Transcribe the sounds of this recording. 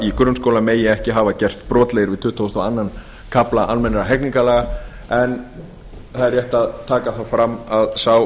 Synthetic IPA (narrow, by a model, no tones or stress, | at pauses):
ikɾʏmskoːwlameːjɪɛhcɪɦaːvacɛr̥st̪pɾɔːt̪lɛjɪɾvɪðt̪ʰʏːht̪ʰɔwst̪ɔanːan | kʰaplaʔanmɛnːɪɾaɦɛkniŋkalɛɣa | ɛn | θaðɛɾjɛht̪aðt̪ʰaːkaθafɾamːaðsaw